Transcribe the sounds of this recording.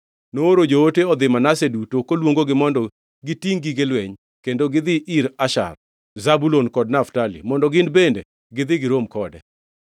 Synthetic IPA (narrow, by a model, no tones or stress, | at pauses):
nooɾod͡ʒooteɔd̪ɪmanasedutokolwoŋɡoɡɪmɔndɔ | ɡɪtiŋɡiɡɪlweɲ | kendoɡɪd̪ɪʔiɾaʃa̰r | zabulonkɔd̚naftalḭmɔndɔɡɪndbende | ɡɪd̪ɪɡɪɾomkɔdɛ̰